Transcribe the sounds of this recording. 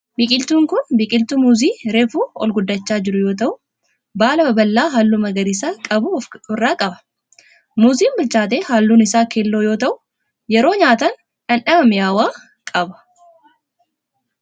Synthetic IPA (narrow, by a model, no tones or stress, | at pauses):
bɪkʼɪlt̪uːŋkʊnbɪkʼɪlt̪umuːziːɾe̞ːfuːɔ̰lɡʊd̪ːɐt͡ʃːaːd͡ʒɪɾʊjo̞ːt̪̬ɐʔʊ | baːlɐbɐbɐlːaːɦaːlːumɐɡɐɾɪsaːkʼɐbʊʊrːaːkʼɐbɐ̥ | muːziːmbɪlt͡ʃaːt̪̬eːhaːlːuːnɪsaːkeːlːo̞ːjo̞ːt̪ɐʔʊ | jɛɾo̞ːɲaːt̪ɐn | ᶑɐnᶑɐbɐmɪjaːwaː | kʼɐbɐ̥